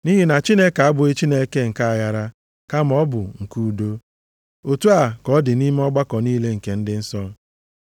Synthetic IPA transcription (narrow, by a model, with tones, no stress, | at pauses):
ni˦ɦi˦na˨t͡ʃi˦ne˦ka˨a˦bʊ˨e˦t͡ʃi˦ne˦ke˦ŋ̩˨ka˦a˨ja˦ɾa˦ | ka˦m˦ɔ˦bʊ˨ŋ̩˨ku˦u˨do˦ | o˨tu˦a˨kɔ˨˦dɪ˨ni˦m˦ɔ˦ɡ͡ba˦kɔ˨niː˦le˦ŋ̩˨ke˨n̩˦dɪ˦n̩˦sɔ˦